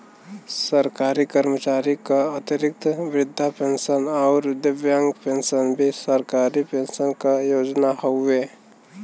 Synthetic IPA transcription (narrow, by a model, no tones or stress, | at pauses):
səɾkaːɾikəɾmət͡ʃaːɾikaat̪ɪɾɪk̚t̪ʋɾɪd̪ʱːapẽːnsənɔːɾd̪ɪʋjãŋɡpẽnsənbʱisəɾkaːɾipẽnsənkajoːd͡ʒnahoeː